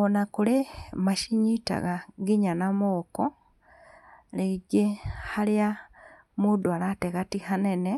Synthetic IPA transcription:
onakulemaʃiɲita̰ɣaɡiɲanamoːko | leɟehalja | mudwalateɣatixanene

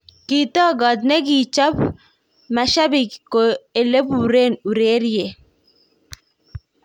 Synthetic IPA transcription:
kit̪ɔɡɐd̪neɡit͡ʃɐp | mɛʃabikkoelepuɾeːnuɾeːɾije

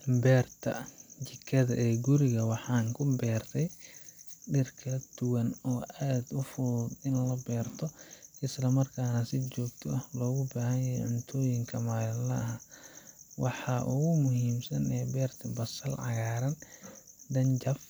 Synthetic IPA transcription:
bɛːrt̪ʰɐt͡ʃɪkʰːɐðɐʔɛːɡʊɾɪɣɐwɑħɑːŋkʰʊbɛːrt̪ʰɛj | ɖɪrkʰɐd̪̥ʊwɐnɔːʔaːd̪ʊfʊːdɪnlɐbɛːrt̪ʰɔʔɪslɐmɐrkʰaːnɐsɪt͡ʃɔːɡt̪ʰɔʔɐhlɔːɣʊbaːɦɐnjɐɦɛ̰jʕʊnt̪ʰɔːjɪŋkʰɐmaːlɪlɐɐɦa | wɑħɑːʔʊɣʊmʊɦiːmsɐnɛːbɛːrt̪ʰɐbɐsɐlʕɑ̰ɣaːɾɐn | d̪ɐnt͡ʃɐf

